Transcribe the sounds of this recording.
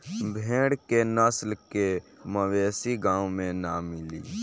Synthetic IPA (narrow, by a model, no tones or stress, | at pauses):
bʱẽɽkenəslkeməʋeːsiɡãːumenamilḭ